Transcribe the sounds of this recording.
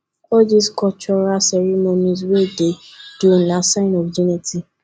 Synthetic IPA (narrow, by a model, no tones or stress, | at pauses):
ɔd͡ʒiskɔt͡ʃɔɾasɛɾɛmonĩs̬wededunasãɪ̃nɔfd͡ʒuniti